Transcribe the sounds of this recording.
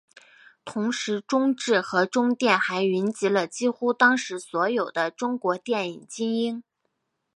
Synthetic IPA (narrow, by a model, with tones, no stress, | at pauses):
t̪ʰʊ˧˥ŋʂɻ̩˧˥ʈ͡ʂʊ˥ŋʈ͡ʂɻ̩˥˩xɤ˧˥ʈ͡ʂʊ˥ŋt̪jɛ˥˩nxa˧˥ɪy˧˥nt͡ɕi˧˥lə˧t͡ɕi˥xu˥t̪ɑ˥ŋʂɻ̩˧˥swɔ˧˥jo˨˩ʊd̪ə˦ʈ͡ʂʊ˥ŋkwɔ˧˥t̪jɛ˥˩nḭ˨˩ŋt͡ɕi˥ŋi˥n